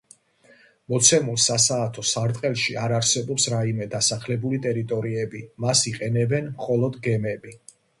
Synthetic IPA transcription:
mɔt̪sʰɛmulˠsasaːt̪ʰɔsaɾt̪ʼqʼɛlˠʃiaɾaɾsɛbɔpsɾaimɛd̪asaχlɛbulit̪ʼɛɾit̪ʼɔɾiɛbimasiqʼɛnɛbɛnmχɔlˠɔd̪ɡɛmɛbi

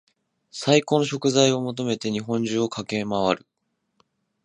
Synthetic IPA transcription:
saiko̞no̞ɕo̞kɯ̟zaio̞mo̞t̪o̞me̞t̪e̞ɲ̟iɦõ̞ɲ̟d͡ʑɨːokʰake̞maβaɾɯ̟

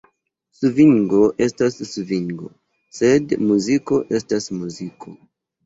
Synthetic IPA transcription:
suviŋɡo̞ʔe̞stasːuviŋɡo̞̰ | se̞dmuziko̞ʔe̞stasmuzikʰo̞

